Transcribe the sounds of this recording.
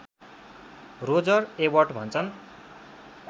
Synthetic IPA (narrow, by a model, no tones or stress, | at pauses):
rod͡zʌrewʌrʈbʱʌnt͡sʰʌn